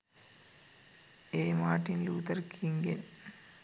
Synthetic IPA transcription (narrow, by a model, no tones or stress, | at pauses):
eːmaːʈːinluːt̪ɐrkʰiŋɡen